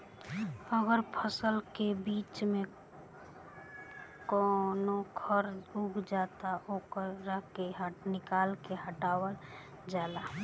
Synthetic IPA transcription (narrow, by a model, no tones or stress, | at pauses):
əɡəɾpʰəsəlkebiːt͡ʃmẽ | konokʰəɾuɡd͡ʒat̪aʔoːkəɾːəɦkeɦnɪkaːlkeɦəʈaːwəl | d͡ʒala